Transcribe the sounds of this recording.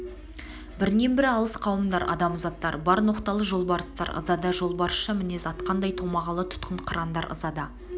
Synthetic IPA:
bɪɾne̞mbɪɾɑlˠəsqʰɑwəmd̪ɑɾʔɑ̰d̪ɑmʊzɑt̪ːɑɾbɑɾnoqt̪ɑlˠəʒo̞lˠbɑɾəst̪ɑɾʔə̰zɑd̪ɑʒo̞lˠbɑɾəsʃɑmɪne̞zɑt̪qɑnd̪ɑjt̪ʰomɑʁɑlˠət̪ʰʊ̥t̪qəɴqʰəɾɑnd̪ɑ̰ɾə̰zɑd̪ɑ

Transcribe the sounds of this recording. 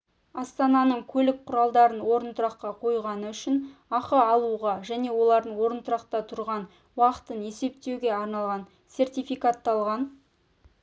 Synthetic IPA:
ɑst̪ɑnɑnəɴkʲʰɵlɪk̚qʰʊɾɑlˠd̪ɑɾənwo̞ɾənt̪ʊɾɑqːɑqʰo̞jʁɑnəʏʃɪnɑqəɑlˠuʁɑʒæne̞wo̞lˠɑɾd̪əɴwo̞ɾənt̪ʊɾɑqt̪ɑt̪ʰʊɾʁɑn | wɑqə̥t̪əne̞se̞p̚t̪e̞wɡʲe̞ɑɾnɑlˠʁɑn | se̞rt̪ijfijkat̪ːɑlˠʁɑn

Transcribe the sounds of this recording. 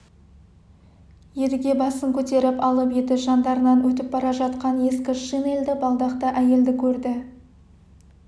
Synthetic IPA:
je̞lɪɡʲe̞bɑsəŋkʲʰɵt̪e̞ɾɪpɑlˠəpje̞d̪ɪʒɑnd̪ɑɾənɑnwɵt̪̬ɪp̚bɑɾɑʒɑt̪qɑnje̞skʲɪʃineld̪ɪbɑlˠd̪ɑqt̪əʔæje̞ld̪ɪkʲʰɵɾd̪ɪ

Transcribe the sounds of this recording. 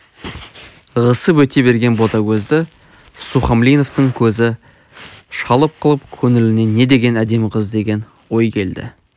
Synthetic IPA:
ʁəsəpwɵt̪e̞be̞ɾɡʲe̞nbo̞t̪ɑkʲʰɵzd̪ɪ | suχɑmlijno̞ft̪əŋkʲʰɵzɪ | ʃɑlˠəp̚qʰəlˠəp̚kʲʰɵŋɪlɪne̞ne̞d̪e̞ɡʲe̞næd̪e̞mqʰəzd̪e̞ɡʲe̞n | wo̞jkʲʰe̞ld̪ɪ̰

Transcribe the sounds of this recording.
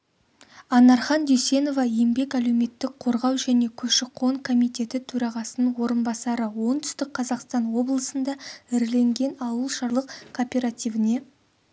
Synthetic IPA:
ɑnɑɾχɑnd̪ʏjse̞no̞vɑje̞mbe̞kæle̞wme̞t̪ːɪk̚qʰo̞ɾʁɑwʒæne̞kʲʰɵʃɪqʰo̞ŋkʰo̞mijt̪ʲe̞t̪ɪt̪ʰɵɾɑʁɑsənəwo̞ɾənbɑsɑɾəwo̞ɴt̪ʰʏ̥st̪ɪk̚qʰɑzɑqst̪ɑnwo̞blˠəsənd̪ɑɪɾle̞ŋɡʲe̞nɑwəlˠʃɑɾlˠəqkʰopʲe̞ɾat̪ʲijvɪne̞

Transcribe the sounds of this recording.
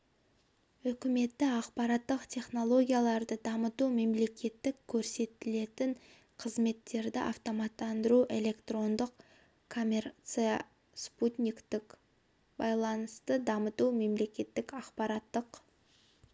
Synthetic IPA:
ʏkʲɪme̞t̪ːɪɑqpɑɾɑt̪ːəqt̪ʲʰe̞χno̞lˠo̞ɡʲijalˠɑɾd̪əd̪ɑmət̪ume̞mle̞kʲe̞t̪ːɪkʲʰːɵɾse̞t̪ɪle̞t̪ɪɴ | qʰəzme̞t̪ːe̞ɾd̪ɪʔɑ̰ft̪o̞mɑt̪ːɑnd̪əɾuʔe̞lʲe̞kt̪ro̞nd̪əq | kʰo̞mʲeɾt̪sija | sput̪ʲnʲikt̪ɪk | bɑjlˠɑnəst̪əd̪ɑmət̪ume̞mle̞kʲe̞t̪ːɪkɑqpɑɾɑt̪ːəq

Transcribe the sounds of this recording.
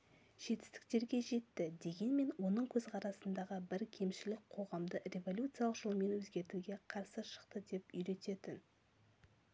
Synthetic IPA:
ʒ̥e̞t̪ɪ̥st̪ɪ̥k̚t̪e̞ɾɡʲe̞ʒe̞t̪ːɪd̪e̞ɡʲe̞nme̞nwo̞nəɴkʲʰɵzqʰɑɾɑsənd̪ɑʁəbɪɾkʲʰe̞mʃɪlɪk̚ʲqʰo̞ʁɑmd̪ərʲe̞vo̞lʲjut̪sɨjalˠəqʒ̥olˠəme̞nwɵzɡʲe̞ɾt̪uɡʲe̞qʰɑɾsəʃə̥qt̪əd̪e̞pʏjɾe̞t̪e̞t̪ɪn

